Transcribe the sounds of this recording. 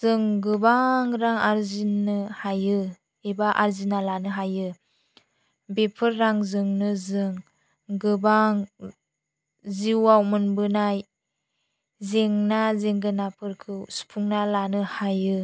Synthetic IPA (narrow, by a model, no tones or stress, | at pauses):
zɯŋɡɯbaŋɾaŋaɾzinːɯhajɯ | ebaʔaɾzinalanɯɦajɯ | bepʰɯɾːaŋzɯŋnɯzɯŋ | ɡɯbaŋ | ziwawmɯnbɯnaj | zeŋnazeŋɡɯnapʰɯɾkʰɯsu̥pʰuŋnalanɯhajɯ